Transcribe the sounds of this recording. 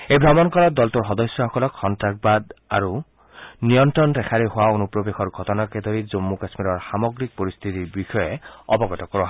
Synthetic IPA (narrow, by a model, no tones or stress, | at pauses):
ejbʱamɔnkɔɹɔt̚d̪ɔltuɹxɔd̪ɔsjɔhɔkɔlɔkxɔntɹak̚bad̪a̰ɹu | nijɔntɹɔndɛxʰaɹeɦʊwaonupɹobexɔɹɡʱɔtɔnakɛd̪ʱoɹizomːukasmiɾɔɹxamɔɡɹik̚poɹist̪ʰit̪iɹbixɔjɛɔ̰bɔɡɔtɔkɔɹɔɦa